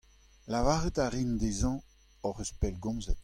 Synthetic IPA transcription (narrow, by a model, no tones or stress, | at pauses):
lavaːʁət̪aʁind̪ezɑ̃ | ɔʁøspɛlɡɔ̃mzət